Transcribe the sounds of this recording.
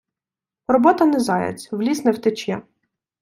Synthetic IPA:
rɔbɔt̪ɐnɛzɑjɐ̰t͡sʲwlʲisnɛwt̪ɪt͡ʃʲjɛ

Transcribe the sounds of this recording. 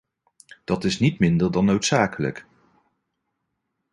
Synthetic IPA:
d̥ɑtɪsnitmɪndəɹdɑnowtsaːkələ̰k

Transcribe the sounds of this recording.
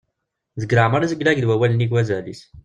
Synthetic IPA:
zəɡɾaʕməɾizəɡlæɡd̪wæwæləniɡwæzælis

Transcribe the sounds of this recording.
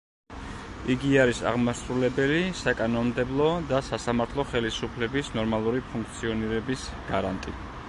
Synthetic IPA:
iɡiaɾisa̰ʁmasɾulɛbɛlisakʼanɔnmd̪ɛblˠɔd̪asasamaɾt̪ʰlˠɔχɛlisupʰlɛbisnɔɾmalˠuɾipʰuŋk̚ʰt̪sʰiɔniɾɛbisɡ̥aɾa̰nt̪ʼi

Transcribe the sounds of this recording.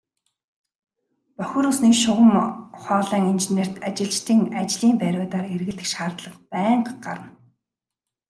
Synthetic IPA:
pœxʲŭːɾuːsniːkʃʊʁə̆mχɔːɮæːŋint͡ɕener̥t̪at͡ɕɪ̆ɮt͡ɕt̪ʰiːŋat͡ɕɮiːmpæɾʲʊːt̪aːɾerɣɘ̆ɮt̪ɘ̆kʃaːrt̪ɮə̆qpæːɴɢɢaɾə̆n

